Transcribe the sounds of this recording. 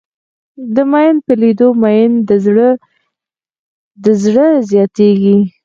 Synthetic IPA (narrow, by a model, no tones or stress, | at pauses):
d̪əmɑjnpəlid̪omɑjnɽə | d̪əzɽəzjɑt̪eɡi